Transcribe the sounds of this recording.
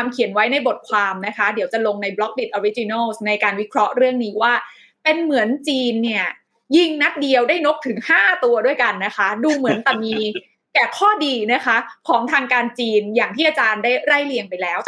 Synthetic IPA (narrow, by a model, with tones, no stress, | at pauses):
mkʰi˩˦ənwa˦˥jna˧jbo˨˩t̪̚kʰwaː˧mna˦˥kʰa˦˥di˨˩˦wt͡ɕa˨˩lo˧ŋna˧jblɔ˦˥k̚di˨˩t̪̚ʔoː˧ɾi˦˥t͡ɕi˧naː˥˩lsna˧jkaː˧nwi˦˥kʰɾɔ˦˥ɾɯ˥˩əŋniː˦˥waː˥˩ | pe˧nmɯ˩˦ənt͡ɕiː˧nːi˥˩ɐ | ji˥˩ŋna˦˥t̪̚di˧əwdaː˥˩jno˦˥p̚t̪ʰɯ˩˦ŋhaː˥˩t̪u˧ɐdu˥˩əjka˧nːa˦˥kʰa˦˥duː˧mɯ˩˦ənt̪ɛ˨˩miː˧ | kɛː˨˩kʰɔː˥˩diː˧na˦˥kʰa˦˥kʰɔː˩˦ŋt̪ʰaː˧ŋkaː˧nt͡ɕiː˧njaː˨˩ŋt̪ʰiː˥˩ʔaː˧t͡ɕaː˧ndaː˥˩jɾa˥˩jli˧əŋpa˧jlɛː˦˥w